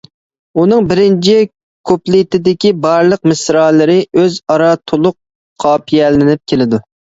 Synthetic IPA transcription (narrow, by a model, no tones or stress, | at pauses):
unɨŋbɪɾɪnt͡ʃʰi | kʰoplit̪ɪd̪ɪkʲibɑɾlˠəq̚mɪsɾɑːlˠɨɾɪøzɑɾɑt̪ʰolˠʊqʰː | ɑːpʰijɛlɪnɪp̚kʲʰelɪd̪u